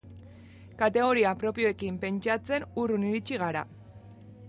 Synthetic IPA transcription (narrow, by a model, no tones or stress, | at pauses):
kat̪e̞ɣ̞o̞ɾiapɾo̞pio̞e̞kimpe̞nt͡ʃat͡se̞nuruniɾit͡ʃiɣ̞aɾa̰